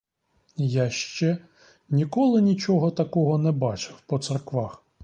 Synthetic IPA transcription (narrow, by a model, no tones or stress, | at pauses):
jaʃt͡ʃɛ | nʲikɔlˠɪnʲit͡ʃɔɦɔt̪ɐkɔɦɔnɛbɑt͡ʃɪwpɔt̪sɛrkʋɑx